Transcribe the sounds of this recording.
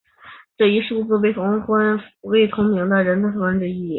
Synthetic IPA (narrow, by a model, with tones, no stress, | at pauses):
ʈ͡ʂɤ˥˩i˥˧ʂu˥˩t͡sɹ̩˥˧we˥˩ɪt̪ʰʊ˧˥ŋxwa˥nwe˥˩ɪt̪ʰʊ˧˥ŋmi˧˥ŋd̪ə˧ɻə˧˥nt͡sʰa˧˥fʰɤ˧˥wa˥nʈ͡ʂɻ̩˥˧i˥˩